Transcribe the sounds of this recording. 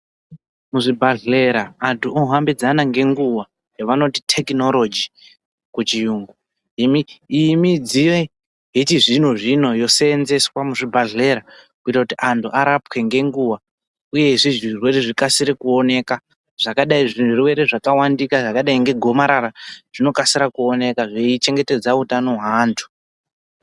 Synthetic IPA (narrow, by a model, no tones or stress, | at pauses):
muʐibʱaɮleɾaːntuʔoɦambid͡zanaŋɡe̞ŋɡuwa | jaʋano̞titʰe̞kino̞lo̞d͡ʒi | kut͡ʃijuːŋɡu | imiimid͡zije | ɦitiʐinoʐino̞jo̞senze̞swamuʐibʱaɮle̞ɾakuitakutiʔantuʔaɾapke̞ŋɡe̞ŋɡuwa | uje̞ʐiʐirwe̞ɾeʐikasiɾekuone̞ka | ʐ̥akaɗaiʐinuruwe̞ɾe̞ʐakawandikaʐakaɗaiŋɡe̞ɡʱo̞maɾaɾaʐ̥ino̞kasiɾakuo̞ne̞kaʐeit͡ʃe̞ŋɡe̞te̞d͡zautano̞ɦaːntʰu̥